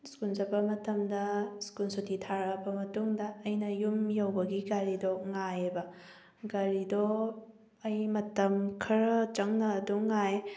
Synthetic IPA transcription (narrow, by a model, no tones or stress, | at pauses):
skunzɐbɐmɐtɐmdɐskunsotitʰaɾɐbɐmɐtuŋdɐːjnɐjumjɐwbɐɡiɡaɾidɔŋajebɐ | ɡaɾidɔ | ɐjmɐtɐmkʰɐɾɐt͡ʃɐŋnɐːduŋaj